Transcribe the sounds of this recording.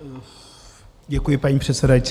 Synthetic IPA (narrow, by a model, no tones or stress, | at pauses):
ɟɛkujɪpaɲiːpr̝̥ɛt̪sɛdajit͡s